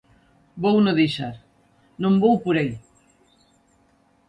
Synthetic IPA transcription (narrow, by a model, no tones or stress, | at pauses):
bownoðiʃaɾ | nõmbowpuɾaj